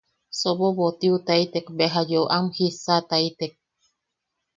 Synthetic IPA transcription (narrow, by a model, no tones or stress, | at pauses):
soboβot̪iut̪ait̪ekbeɦajoʔamhisat̪ait̪ek̚